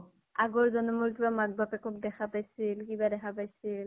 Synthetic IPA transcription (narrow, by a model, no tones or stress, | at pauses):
aɡɔɹzɔnɔmʊɹk̬ibamaɡ̚bapɛkɔk̚dɛxʰapajsilkibadɛxʰapajsil